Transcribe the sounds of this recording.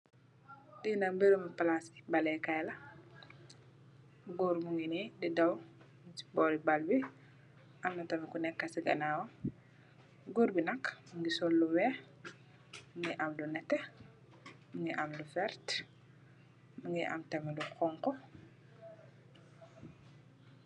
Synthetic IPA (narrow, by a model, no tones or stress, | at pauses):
dinɐmbeɾumɐpɐlaski̥bɐlɛkɐjlɐ | ɡɔːɾmuŋɡinididɐw | msi̥bɔːɾibɐlbi | ʔɐmnɐtɐmikunɛkːɐsiɡɐ̰naːwɐ | ɡuɾbinɐkmuŋɡisɔlːuwɛ | muŋɡiʔɐmlunɛtːɛ | muŋɡiʔɐmlufɛɾt | muŋɡiʔɐ̰mtɐmiluxɔŋkɔ